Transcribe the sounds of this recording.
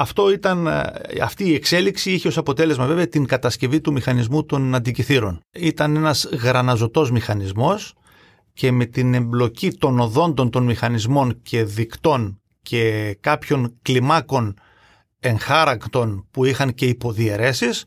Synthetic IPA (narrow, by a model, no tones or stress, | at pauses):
ɐft̪o̞it̪ɐnɐ̰ft̪iːekse̞liksiiçeosɐpo̞t̪e̞le̞zmɐve̞veɐt̪iŋkɐt̪ɐsce̞vit̪umixɐnizmut̪o̞nɐnd̪iciθiɾo̞nit̪ɐne̞nɐzɣɾɐnɐzo̞t̪o̞zmixɐnizmo̞s | ce̞me̞t̪ine̞mblo̞cit̪o̞no̞ðo̞nd̪o̞nt̪o̞nmixɐnizmo̞ncʰe̞ðikt̪o̞n | cʰe̞kɐpço̞nklimɐko̞n | e̞ŋxɐɾɐkt̪o̞npuixɐŋce̞ipo̞ðie̞ɾe̞sis